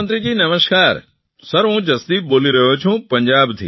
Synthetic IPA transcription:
nt̪ɾid͡ʑiːnɐməskaːɾ | sɐɾɦũːd͡ʒɐsd̪iːɓoːliɾɐɦjot͡ʃʰũpɐ̃ɲd͡ʑaːbt̪ʰḭː

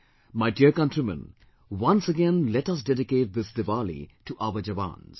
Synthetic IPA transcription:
maɪɖiəkʌ̃ntɾimə̰̃n | wʌ̃nsəɡɛ̃nlɛʈʌs̬dɛɾɪkeːʈ̚ðɪsd̪ɨʋaːlḭʈuʔaʊəd͡ʒɐʋã̰ːnz̥

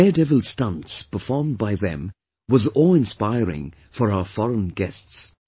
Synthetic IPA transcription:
ɛdɛvəl̩ˠstʌ̃nspʰə˞fɔɹmbaɪðɨ̰̃m | wʌzɔlˠɨ̃nspaɪɹɪ̰̃ŋ | fə˞aʊə˞fɔɹə̃nɡɛsts

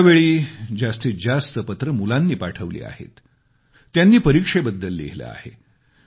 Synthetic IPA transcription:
ʋeɭiːd͡ʑast̪iːd͡zast̪əpət̪ɾəmulanːiːpaʈʰəʋlḭːa̰hḛt̪ː | janːiːpəɾikʂebəd̪ːəlːḭɦlə̰a̰hḛ

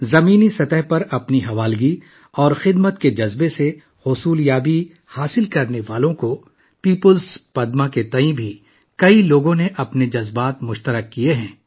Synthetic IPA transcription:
zɐmiːnisɐt̪ɛɦpɐɾɐpniɦɐʋaːlɡi | ɔːɾxɪd̪mət̪ked͡ʒɐzbese | hʊsuːljaːbi | haːsɪlkɐɾneʋaːlõko | piːpəlspɐd̪mãket̪ɐ̃ĩbʱi | kɐiloːɡõneʔɐpned͡ʒɐzbaːt̪mʊʃt̪əɾəkːieɦɛ̃ː

